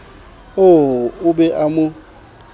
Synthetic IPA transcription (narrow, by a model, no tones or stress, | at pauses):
oʊbɛʔamʊ